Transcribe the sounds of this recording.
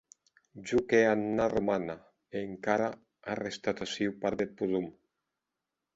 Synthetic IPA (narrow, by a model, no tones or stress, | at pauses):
d͡ʒukeannaromana | eŋkaɾa | arest̪at̪asiwpaɾd̪et̪̚puðum